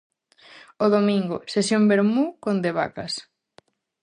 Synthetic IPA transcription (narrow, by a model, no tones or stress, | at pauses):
oðomiŋɡʊsesjombeɾmukond̪eβa̰kɐs